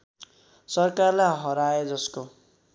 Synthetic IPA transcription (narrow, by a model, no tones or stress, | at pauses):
sʌrkarlajɦʌɾaed͡zʌsko